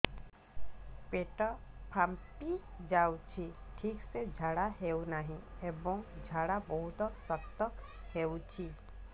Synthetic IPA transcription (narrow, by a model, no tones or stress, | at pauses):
peʈɔpʰampid͡ʒawt͡ʃʰiʈʰiksed͡ʒʱaɽaɦewnaɦĩebɔŋd͡ʒʱaɽabɔɦut̪ɔsɔst̪ɔkhewt͡ʃʰi